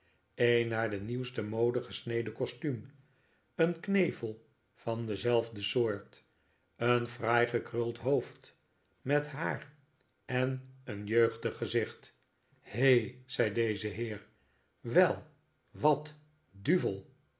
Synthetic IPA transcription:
enaːɹdəniwstəmowdəχəsnejdəkɔstym | ənknejvəlˠ | fɑndəzɛlˠvdəsʊːɹt | ənfrajχəkrʏlˠtɦoʊft | mɛtɦaːɹ | ɛnənjøɥχdəχːəzɪχt | hejz̥ɛjdejzəɦɪːɹ | ʋɛlˠ | ʋɑt | dyvəlˠ

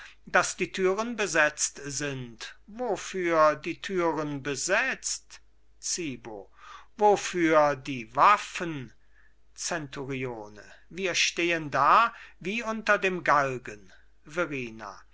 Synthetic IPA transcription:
d̥asd̥iːtʰyːʁənbəzɛt͡stz̥ɪntvofyːɐdiːtʰyːʁənbəzɛt͡st | t͡siːbo̰vofyːɐdiːvafən | t͡sɛntuʁioːnə̰viːɐʃteːəndaːviːʔʊntɐdeːmɡalɡən | veʁiːna̰

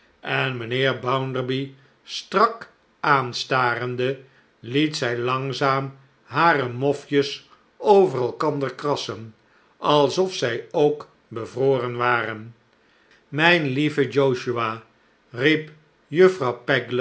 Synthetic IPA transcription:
ɛnmənɪːɹbawndəɹbi | strɑk | ʔaːnstaːrəndə | litsɛjlɑŋzaːm | ɦaːrəmɔfjəs | owvərɛlˠkɑnd̪əɹkrɑsən | ʔɑlˠsɔfsɛjowk | bəvroːrənʋaːrən | mɛjnlivəd͡ʒowʃyaː | rip | jɵfrɑwpɛɡl

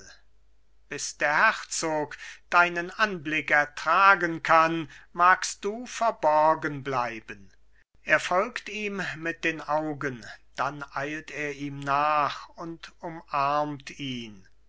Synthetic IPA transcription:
b̥ɪsd̥eːɐhɛʁt͡soːkd̥aɪnənʔanblɪkɛɐtʁ̥aːɡənkʰanmaːkst̚d̥uːfɛɐbɔʁɐɡənblaɪbən | ʔeːɐfɔlktiːmmɪt̚d̥eːnʔaʊɡənd̥anʔaɪlteːɐʔiːmnaːχʊntʊmʔaɐmtʰiːn

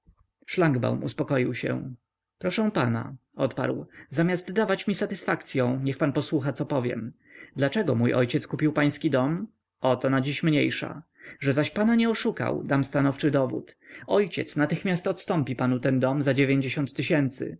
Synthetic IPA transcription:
ʂlaŋɡba̰wmṵspɔkɔjiwɕɛ̰ | pɾɔʂɛ̃w̃pana̰ɔt̪pa̰ɾwzamʲjast̪ːavat͡ɕmʲisat̪ɘsfakt̪sʲjɔ̃w̃ɲɛxpanpɔswuxat̪ɔpɔvʲjɛ̰m | d̪lat͡ʂɛɡɔmujʔɔ̰jt͡ɕɛt̪skupʲiwpaj̃skʲid̪ɔm | ɔt̪ɔnad͡ʑiɕmɲḛjʂa̰ | ʐɛzaɕpanaɲɛɔʂuka̰wd̪amst̪anɔft͡ʂɘd̪ɔvṵt̪ɔjt͡ɕɛ̰t̪snat̪ɘxmʲjast̪ɔt̪st̪ɔmpʲipanut̪ɛnd̪ɔmzad͡ʑevʲjeɲd͡ʑeɕɔ̃nt̪ːɘɕɛnt̪sɘ̰

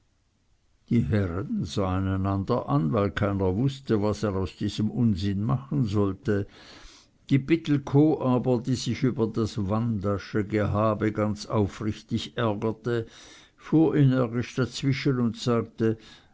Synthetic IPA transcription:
d̥iːɦɛʁənz̥aːaɪnaɪnandɐʔanvaɪlkʰaɪnɐvʊstəvaseːʁaʊsd̥iːz̥əmʔʊnzɪnmaχənzɔltə | d̥iːbɪtl̩kʰoːʔaːbɐdiːz̥ɪçyːbɐdasvandaʃəɡeɦaːbəɡant͡saʊfʁɪçtɪçɛɐɡɐtə | fuːɐʔenɛɐɡɪʃd̥at͡sv̥ɪʃənʊntsaːk̚tə

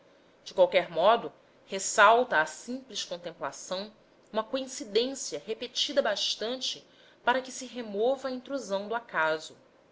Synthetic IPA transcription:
d͡ʒɪkwawkɛɾmɔd̪ʊ | hesawt̪ɐːsĩpliʃkõnt̪ẽmpla̰sɐ̃w̃ | ũmɐkoĩsid̪ẽsiɐɦepet͡ʃid̪ɐbaʃt̪ɐ̃nt͡ʃɪ | paɾɐkɪsɪɦemɔvɐːĩnt̪ɾuzɐ̃w̃d̪ʊakazʊ

